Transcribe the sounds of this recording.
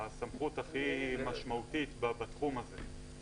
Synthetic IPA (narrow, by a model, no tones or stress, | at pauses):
samχutaχimaʃmautit̪babat̪χumaze